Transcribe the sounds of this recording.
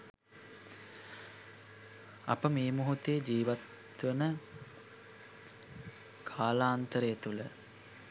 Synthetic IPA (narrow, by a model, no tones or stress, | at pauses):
ɐ̰pəmeːmuɦut̪ejed͡ʒiːʋat̪ | ʋənə | kʰaːlaːnt̪əɾəjet̪ulə